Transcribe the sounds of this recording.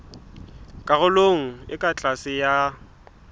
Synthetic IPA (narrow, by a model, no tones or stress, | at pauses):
kʼaɣʊloŋ̩ɪkʼat͡ɬʼasɪja